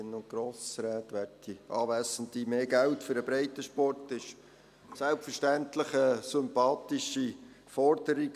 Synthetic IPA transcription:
ɪnʊnt̚ɡ̥ɾoːsɾɛːtʋærtiʔɑːʋæsənt̪imeːɡæltføɾəbɾɛɪt̪əʃpɔrtɪʃ | sælpfəɾʃtæntləχəsʏmpɑːtɪʃi | fɔrd̥əɾiɡ

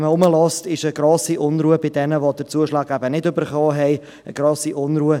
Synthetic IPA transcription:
məʊməlɔstɪʃəɡ̥ɾɔːsiʔʊnɾuːəbɪdɛnəʋɔd̥əɾt͡suəʃlɑːɡæbənɪdʏbəɾχɔːɦɛɪ | ə̰ɡ̥ɾɔːsiʔʊnɾuːə

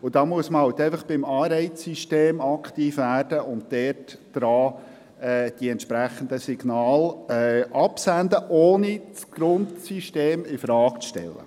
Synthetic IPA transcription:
ʊd̥̪ɑːmuəsməhɑʊt̪ɛɪfəχb̥ɪmɑːɾɛɪt͡sːiʃteːmɑkχt̪iːfʋæːrd̥əʔʊntdɛːrtd̥ɾɑː | ɛːd̥iɛntʃpɾæχənd̪əsiɡ̥nɑːlɛɑpsænd̪əʔoːnit͡sɡ̥ɾʊntsiʃteːmɪfɾɑːkt͡sʃtɛ̰lːə̰

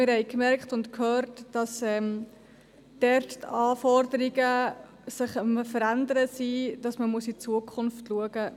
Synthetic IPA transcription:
mɪɾhɛɪkmɛrktʊntkʰhøːɾtːd̥ɑsɛːm | d̥ɛrttɑːfɔrdəɾiɡə | sɪχəməfəɾændəɾəsid̥ɑsməmuəsit͡suəkʰʊnftluəɡ̥ə

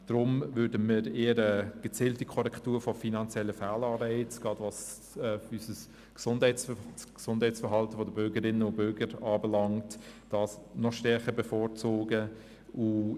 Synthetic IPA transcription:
d̥ɾʊmvʏɾdəmiɾeːəɾəɡ̥ət͡siːltikʰɔɾɛktuːɾfɔfinɑnt͡sjɛlːəfæːlɑːɾɛɪt͡sɡ̥ɑdʋɑs | ysəs | ksʊndhɛɪt͡ssksʊnd̥hɛɪt͡ssfəɾɦɑltəʋodəbʏɾɡəɾɪnːəʊbʏɾɡəɾɑːbəlɑŋtd̥ɑːsnɔʃtɛɾχəbəfɔːɾt͡soːɡə | u

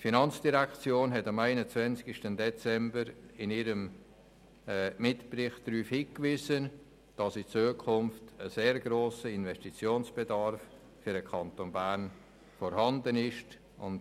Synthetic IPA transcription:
tfinɑnt͡sd̥iʁɛkt͡sjoːnɦɛtɑmæɪnət͡svɛnsɡ̥ɪʃtəndɛt͡sɛmbəɾɪnɪɾəm | mɪtprɪχtɾyːfhiːkvɪːzən | d̥ɑsit͡suːəkʰʊmftəseːɾɡɾoːsəɪnvɛstit͡sjoːnsb̥edɑɾfː | yɾdəkʰɑntonbæɾn | fɔɾhɑndənɪʃt | ʊ̰nt

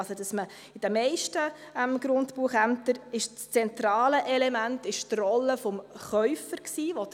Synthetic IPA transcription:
sod̥ɑsmə | ɪd̥ɛmːɛɪʃtə | əmɡ̥ɾʊntpuəχæmt̪əɾɪʃt͡st͡sɛnt̪ɾɑːləʔɛlɛmæntɪʃtrɔlːəfɔmχœʏfəɾksiːʋod

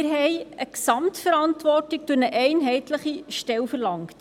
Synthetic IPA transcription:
ɪɾɦɛjəksɑmtfəɾɑntʋɔrtik̚d̥uɾnəʔɛɪnɦɛɪtləχiʃtɛlfərlɑŋkt

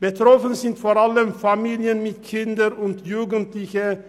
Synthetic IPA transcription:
b̥ətʁɔfənzɪntfoʁaləmfamiːljənmɪt̪kʰɪndəɾʊntjuːɡəntlɪçə

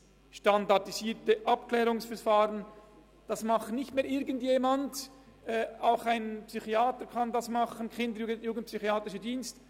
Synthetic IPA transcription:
ʃtandadiziːtəʔap̚klɛːʁʊŋsfɛɾfaːʁən | d̥ɑsmɑχtnɪçtmeːɾʔɪɾɡən̩tjeːmandʔɛːaʊxaɪnpsyxiaːtəɾkʰɑndɑsmɑχənkʰɪndəɾjuːɡəntjuːɡən̩t̚psyxiaːtʁɪʃədiːnst

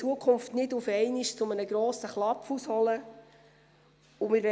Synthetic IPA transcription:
t͡suəkχʊmftnɪdʊfɛɪniʃt͡sʊmənəɡɾɔːsəχlɑpfushɔlə | ʊmɪɾʋɛ

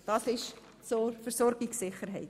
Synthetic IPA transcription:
d̥ɑsɪʃ | soːfərsɔrɡɪksɪχərɦɛɪt

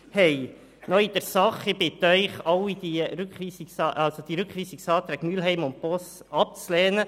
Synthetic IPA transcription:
hɛɪ | nɔid̥̪əɾsɑχɪb̥ɪt̪œʏχɑwid̪iɾʉkχʋiːsiksɑʔɑlsod̥̪iɾʉkχʋiːsiksɑːt̪ɾɛːɡ̥myəlɦɛɪmʊmpɔst | ɑp̚t͡slɛːnə

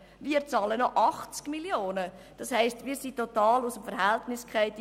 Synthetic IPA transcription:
viːəɾt͡sɑːlənɔʔɑχt͡skmiljoːnə | d̥ɑshɛɪstmiːsitːɔtɑːlusəmfəɾɦæltnɪskχɛɪt

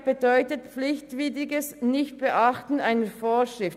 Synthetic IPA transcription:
b̥ədɔʏtət̚pflɪçtv̥iːdɪɡəsnɪçt̚b̥əʔɑχtn̩aɪnəfoːʃʁ̥ɪft

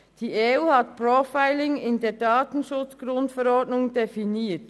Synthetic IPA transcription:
d̥iːeuːhɑtprofaɪlɪŋɪndeːɐdɑːtn̩ʃʊt͡sɡ̥ɾʊntfɛɾɔdnʊŋdefiniːt

